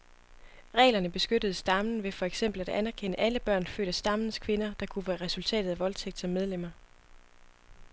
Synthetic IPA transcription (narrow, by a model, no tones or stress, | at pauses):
ʁɛ̰ːlɐnəb̥e̝sɡ̥ød̥əð̩ˠsd̥ɑ̈mn̩ʋe̝fɒ̽eɡ̥sem̰b̥l̩æd̥ænæɐkʰen̰əʔæləb̥ɶɐ̰nfø̰ːd̥æsd̥ɑ̈mn̩skʰʋe̝nɐd̥ɑ̈kʰuʋæːɐʁɛsult͡sʰɛ̰ːd̥ð̩ˠæʋɒ̽lt͡sʰeɡ̥̚d̥sɒ̽mːeð̞ˠlem̰ɐ